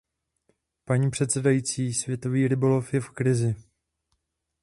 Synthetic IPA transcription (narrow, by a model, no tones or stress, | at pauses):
paɲiːpr̝̥ɛt̪sɛdajiːt͡siːsvjɛt̪o̞viːɾɪbo̞lo̞fjɛfkɾɪzɪ